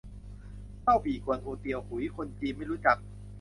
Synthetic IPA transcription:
ka˥˩wpʰiː˨˩ku˧˩ənʔʰoː˧t̪i˧əwhʰu˨˩˦jkʰo˧nt͡ɕiː˧ma˥˩jɾuː˦˥t͡ɕa˨˩k̚

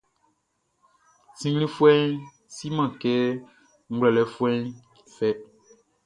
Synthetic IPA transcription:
sĩ˨ŋɡlĩ˦fu˦ɛ˦n | si˦mã˨kɛ˦ | ŋ̩˦ɡ͡blɛ˨lɛ˨fu˦ɛ˦n | fɛ˦

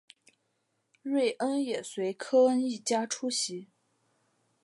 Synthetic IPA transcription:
ɻwe˥˩ɪʔə˥njɛ˨˩swe˧˥ɪkʰɤ˥ə˥ni˥˩t͡ɕja˥ʈ͡ʂʰu˥ɕi˧˥

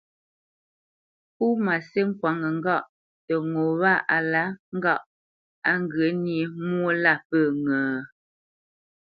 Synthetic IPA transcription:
pu˦ma˨se˦ŋ̩˦kwa˨ŋə˨ŋ̩˦ɡɔ˦˨ʔ | tə˨ŋo˨βa˦˨ʔa˨la˦ŋ̩˦ɡa˦˨ʔ | a˦ŋ˦ɡə˨˦ni˨˦mwo˦la˦˨pə˦˨ŋəː˨

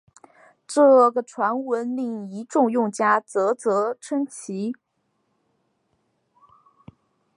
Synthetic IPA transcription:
ʈ͡ʂɤ˥˩ɡə˩ʈ͡ʂʰwa˧˥nwə˧˥nli˥˩ŋi˧˥ʈ͡ʂʊ˥˧ŋjʊ˥˩ŋt͡ɕja˥t͡sɤ˧˥t͡sɤ˧˥ʈ͡ʂʰə˥ŋt͡ɕʰi˧˥

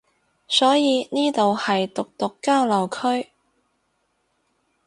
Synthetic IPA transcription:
sɔː˨˥jiː˨˧niː˥t̪o˨whɐ˨jt̪ʊ˨k̚t̪ʊ˨kːaː˥wlɐ˨wkʰɵ˥ɥ

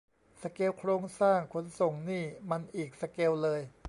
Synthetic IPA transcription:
sa˧ke˧wkʰɾoː˧ŋsaː˥˩ŋkʰo˨˧˦nso˨˩ŋniː˥˩ma˧nʔiː˨˩k̚sa˧ke˧wlɤː˧j

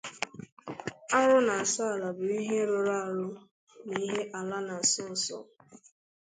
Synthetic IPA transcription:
a˦ɾʊ˦na˨sɔ˦a˨la˨bʊ˨i˦ɦe˦ɾʊ˨ɾa˦a˨ɾʊ˦ | ni˦ɦe˦ʔa˨la˦na˨sʊ˦n̩˨sɔ̰˦˨

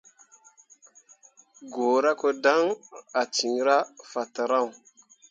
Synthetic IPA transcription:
ɡo˨ɾa˦ko˦da˦ŋa˨ti˨ŋ˦ɾa˦fa˨ta˨ɾa˦˨w

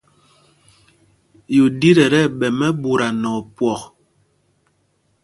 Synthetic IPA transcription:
ju˨di˦ɾɛ˨ɾɛ˦ɓɛ˨mɛ˦bu˨ɾa˨nɔ˨pwɔ˨k

